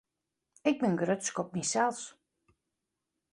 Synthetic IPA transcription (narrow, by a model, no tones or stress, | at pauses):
ɪɡ̚bɪnɡrøtskɔp̚nisɛlˠs